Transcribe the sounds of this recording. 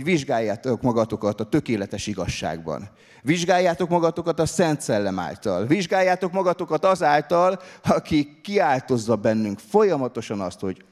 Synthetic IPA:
ʋiʒɡaːjːaːt̪okmɒɡɒt̪o̞kɒt̪ɒt̪ø̞keːlɛt̪ɛʃiɡɒ̰ʃːa̰ːɡ̚bɒ̰n | viʒɡaːjːaːt̪o̞kmɒɡɒt̪o̞kɒt̪ɒsɛnt̪sɛlːɛma̰ːlt̪ɒ̰lviʒɡaːjːaːt̪o̞kmɒɡɒt̪o̞kɒt̪ɒzaːlt̪ɒlɒkikːiaːlt̪o̞zːɒbɛnːyŋkfo̞jɒmɒt̪o̞ʃɒnɒst̪ho̞ɟ

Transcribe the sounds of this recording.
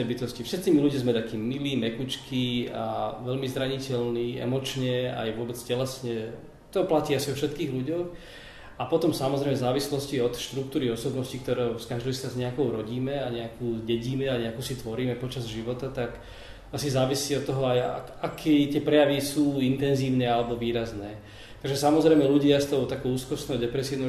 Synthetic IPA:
ɛbit̪ɔscifʃɛt̪t͡siːmiluɟazmɛt̪akiːmːiliːmɛkut͡ʃkiaʋɛlmizɾaɲicɛlniːɛ̰mɔt͡ʃɲɛa̰jʋʊɔbɛt͡scɛlɛsɲɛ | t̪ɔplaciːasiɔfʃɛt̪kiːɣluɟɔʊ | apɔt̪ɔmsamɔzɾɛɪmɛzaːʋislɔsciɔt̪ʃt̪ɾuk̚t̪uːɾiɔsɔbnɔscik̚t̪ɔɾɛskaʒd̪ɔst̪azɲɛakɔʊɾɔɟiːmɛaɲɛakuːɟɛɟiːmɛaɲɛakuːsit̪ʋɔɾiːmɛpɔt͡ʃazʒiʋɔt̪at̪ak | asizaːʋisiːɔt̪ːɔɦɔaja̰ | akʰɛt̪ɪɛpɾɛjaʋisuːint̪ɛnziːʊnɛalɛbɔʋiːɾaznɛː | t̪aɡʒɛsamɔzɾɛjmɛluɟɪast̪ɔʊt̪akɔʊuːskɔsnɛɦɔd̪ɛpɾɛsiːʊnɔ

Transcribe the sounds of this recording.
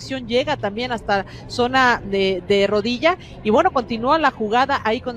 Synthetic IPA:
sjo̞nɟ͡ʝe̞ɣat̪ambje̞nast̪a | so̞naðeðe̞ro̞ðiʝa | iβwe̞no̞ko̞nt̪inualaxuɣaðaʔaikon

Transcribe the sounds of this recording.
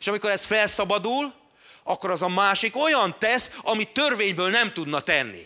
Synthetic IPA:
eʃɒmikoɾɛsfɛlsɒbɒd̪ul | ɒkːo̞ɾɒzɒmaːʃiko̞jɒnt̪ɛsɒmit̪ːørveːɲbøːlnɛmt̪ud̪nɒt̪ɛnːḭ

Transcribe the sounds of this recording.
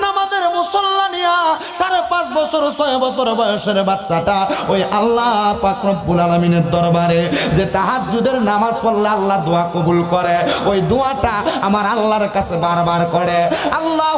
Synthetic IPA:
namazeɾmusɔlːanija | ʃaɾepãsbɔsʰoɾsɔbɔsɔɾbɔjeʃeɾebatːʃaʈaojʔalːapakɾɔbːulalamineɾd̪ɔɾbaɾezet̪aɦad͡ʒd͡ʒud̪eɾnamazpʰɔlːealːad̪oakɔbulkɔɾeojd̪oaʈaamaɾalːaɾkasʰebaɾbaɾkɔɽealːa

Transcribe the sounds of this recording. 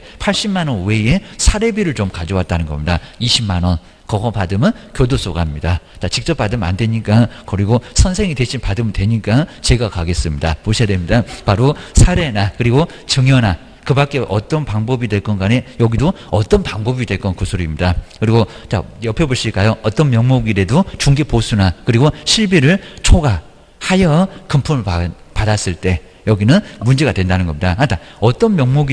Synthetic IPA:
pʰaɭɕ͈imːanʌnwe̞e̞sʰaɾe̞biɾɯɭt͡ɕomkad͡ʑʌwat̚t͈anɯnɡʌmɲidaiɕʰimanʌn | kʌɡʌpadɯmɯnkjodos͈oɡamɲidat͡ɕat͡ɕik̚t͡ɕ͈ʌp͈ːadɯma̰ndwe̞ɲik͈akʌɾiɡosʰʌnsʰe̞ŋidwe̞ɕʰinpadɯmdwe̞ɲik͈at͡ɕe̞ɡakaɡe̞s͈ɯmɲidamoɕʰiadwemɲidapaɾosʰaɾe̞nakɯɾiɡot͡ɕɯŋjʌna | kɯbak͈e̞ʔʌt͈ʌnpaŋbʌbidwe̞ɭk͈ʌnɡanejʌɡidoʌt͈ʌnpaŋbʌbidwe̞ɭk͈ʌnkusʰoɾimɲidakɯɾiɡot͡ɕa̰jʌpʰjeboɭɕʰiɭk͈ajoʌt͈ʌnmjʌŋmoɡiɾe̞dot͡ɕuŋɡeposʰunakɯɾiɡoɕʰiɭbiɾɯɭt͡ɕʰoɡa | hajʌkɯmpʰumɯɭapadas͈ɯɭt͈e̞ | jʌɡinɯnmund͡ʑe̞ɡadwe̞ndanɯnɡʌmɲidaɦatʰaʌt͈ʌnmjʌŋmoɡi

